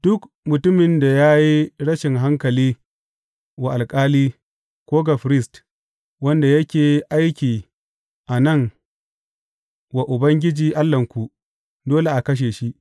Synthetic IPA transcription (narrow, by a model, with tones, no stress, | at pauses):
d̥ʊ˦k | mʊ˨tʊ˦mɪ˨nda˨jaː˦ji˦ɽɐ˦ʃɪ˨ŋɦa˦ŋkɐ˨liː˦ | wa˨ʔa˨lkʼaː˦liː˦ | kʷoː˦ɡa˨ɸɾɪ˦st | wɐ˦nda˨jɐ˦kʲeː˨ʔa˦jkʲiː˨ | ʔa˨nɐ˦˨ŋ | wa˨ʔʊ˨bɐ˦ŋɡʲɪ˦d͡ʒiː˨ʔa˦lːɐ˨ŋkʷu˨ʔ | doː˦le˨ʔa˨kɐ˦ʃ̬eː˨ʃi˦ʔ